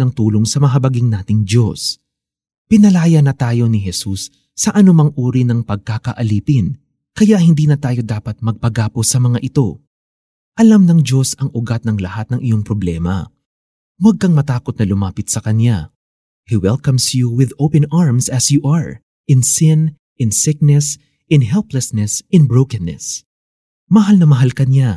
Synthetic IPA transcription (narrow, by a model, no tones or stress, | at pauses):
ɐŋt̪uːlo̞ŋsɐmɐɦɐbɐɡiŋnaːt̪ɪŋd͡ʒo̞s | pɪnɐlaːjɐnɐt̪aːjo̞nɪɦɛsusː | ɐʔɐnʊmɐŋʔuːɾinɐŋpɐɡ̚kakɐʔɐliːpɪn | kɐjaʔhɪnd̪iːnɐt̪aːjo̞d̪aːpɐt̪̚mɐɡ̚pɐɡaːpo̞sɐmɐŋaʔɪt̪o̞ | ʔɐlamnɐŋd͡ʒo̞sɐŋʔʊɡat̪̚nɐŋlɐhat̪̚nɐŋʔɪjo̞ŋpɾoblɛːmɐ̰ | wɐɡ̚kɐŋmɐt̪aːkot̪̚nɐlʊmaːpɪt̪̚sɐkɐnja | hiwɛlkɐmsjuwɪðowpɛ̃nʔaɹmsɐsjuʔɐɹ | ʔɪ̃nsɪn | ʔɪ̃nsɪk̚nɛs | ɪ̃nɦɛlplɛsnɛsɪnbɹowkɐnːɛ̰s | mɐɦalnɐmɐɦalkɐnja